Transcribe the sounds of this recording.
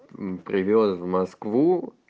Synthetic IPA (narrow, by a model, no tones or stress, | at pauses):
pɾʲɪvʲosvmɐskvu